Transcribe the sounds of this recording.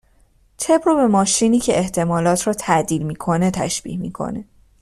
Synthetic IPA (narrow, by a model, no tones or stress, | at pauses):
t̪ʰe̞bɾobe̞mɒːʃiːniːcʰeʔeht̪ʰe̞mɒːlɒːt̪ʰrɒːt̪ʰæʔd̪iːlmiːkʰo̞net̪ʰæ̰ʃb̥ḭːhmḭːkʰo̞̰ne